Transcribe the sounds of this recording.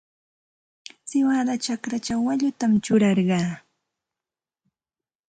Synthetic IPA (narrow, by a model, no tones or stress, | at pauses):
sɪwad̪at͡ʃakɾat͡ʃawːaʎʊt̪amt͡ʃʊɾɑɾɢɑː